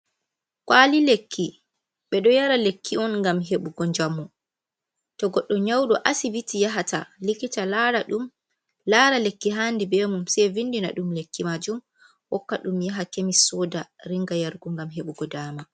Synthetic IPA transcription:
kwaːlilekːi | ɓɛɗɔjaɾalekʰːiɔnŋɡamɦeɓuɡɔɲd͡ʒamːu | tɔɡɔɗːɔɲawɗɔʔasivitijaɦatalikitalɾaum | laɾalekːiɦandibɛmumsɛjvindina̰ɗumlekːimad͡ʒum | wɔkːaɗumjaɦakemisɔdaɾiŋɡajaɾɡuŋɡamɦeɓuɡɔdaːma

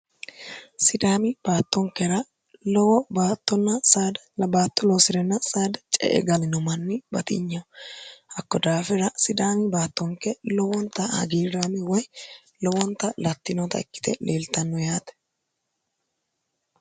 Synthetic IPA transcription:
sɪd̪aːmɪb̥aːt̪ːɔŋkɛɾɐ | lɔwɔbaːt̪ːɔnːɐsaːd̪ɐlɐbaːt̪ːɔlɔsɪɾɛnːɐsaːd̪ɐt͡ʃʼɛ̰ʔɛ̰ɡɐlɪnɔmɐnːɪbɐt̪ɪ̰ɲːɐhɐkːɔd̪aːfɛɾɐsɪd̪aːmɪbaːt̪ːɔŋkːɛlɔwɔnt̪ːɐhɐ̰ɡiːɾaːmɪwɔj | lɔwɔnt̪ɐlɐt̪ːɪnɔt̪ɐ̰ɛkːɪ̥t̪ɛ̰lʔeːlt̪ɐnːɔjaːt̪ɛ̥

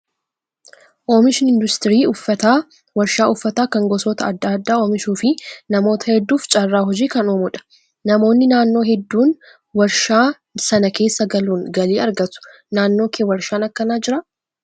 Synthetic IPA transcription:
ʔo̞ːmɪʃɪnɪnd̪ʊst̪ɪɾiːʊfːɐt̪aː | wɐɾʃaːʔʊfːɐt̪aːkɐŋɡɔsoːt̪ɐɐd̪ːaːd̪ːaːoːmɪʃuːfɪnɐmo̞ːt̪ʰɐhɛd̪ːuːft͡ʃʼɐrːaːɦɔd͡ʒiːkɐnoːmʊᶑɐ̥ | nɐmo̞ːnːɪnaːnːo̞ːhɛd̪ːuːn | wɐɾʃaː | sɐnɐke̞ːsːɐɡɐluːŋɡɐleːɐɾɡɐt̪ʊ̥ | naːnːoːkewɐɾʃaːnɐkːɐnaːd͡ʒɪɾɐ

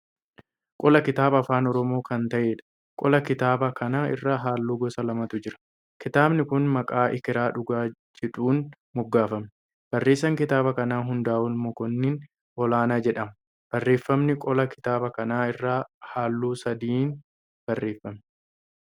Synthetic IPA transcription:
kʼɔlɐkɪt̪aːbɐfaːnɔɾɔmo̞ːkɐnt̪ɐʔeːᶑɐ̥ | kʼɔlɐkɪt̪aːbɐkʰɐnaːɪ̰rːaːɦaːlːuːɡɔsɐlɐmɐt̪ʊd͡ʒɪɾɐ̥ | kɪt̪aːbnɪkʊnmɐkʼaːʔɪkɪɾaːᶑʊɡaːd͡ʒɛᶑuːn | mʊɡːaːfɐm | b̥ɐrːeːs̬ːɐŋkɪt̪aːbɐkɐnaːɦʊnd̪aːʔʊlmɔkɔnːin | ɔlaːnaːd͡ʒɛᶑɐmɐ | b̥ɐrːeːfːɐmnɪkʼɔlɐkɪ̥t̪aːbɐkɐnaːɪrːaːhaːlːuːsɐd̪iːn | b̥ɐrːe̞ːfːɐmɛ

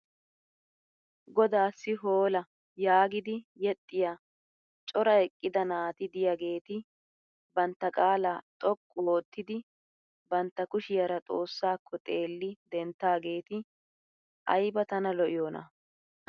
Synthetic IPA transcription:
ɡɔd̪aːsːɪɦoːlɐ | jaːɡɪd̪ɪjɛt̪ʼːɪja | t͡ʃʼɔɾɐɛkʼːɪd̪ɐnaːt̪ɪd̪ɪjaɡe̞ːt̪ɪ | bɐnt̪ːɐkʼaːlaːt̪ʼɔkʼːʊwo̞ːt̪ːɪd̪ɪ | bɐnt̪ːɐkʊʃɪjɐɾɐt͡sʼo̞ːsːaːkʰːɔt̪ʼe̞ːlːɪd̪ɛnt̪ːaːɡe̞ːt̪ɪ | ʔɐ̰jbɐt̪ɐnɐlɔʔɪjoːnɐ̰

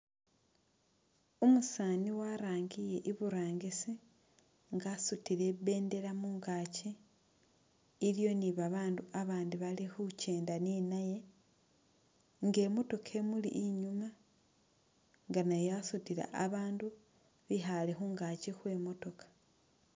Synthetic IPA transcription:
omusaniwaɾaːŋɡije̞ʔiβuɾaːŋɡisi | ŋɡasutiɾe̞βe̞ːnde̞ɾamuːŋɡaːci | ljo̞niβaβaːnduaβaːndiβalixuce̞ːndaninaje̞ | ŋɡe̞mo̞to̞kʰe̞mulḭʔːɲuma | ŋɡanajasutiɾa̰ʔaβaːndu | βiɦalixuːŋɡacixwe̞mo̞to̞kḁ

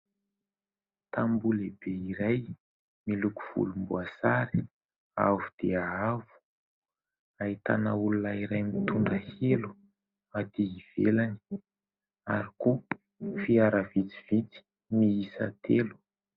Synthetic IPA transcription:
t̪ambulebeiɾaj | miluku̥v̥ṵlumbuasaɾi̥ | a̰vud̪̥eaavu̥ | ait̪a̰naulunaiɾajmit̪uɳɖ͡ʐəhelu | ad̪iiv̥elani̥ | aɾiko | fiaɾavit͡si̥v̥it͡si̥ | miisa̰t̪ʰelu̥

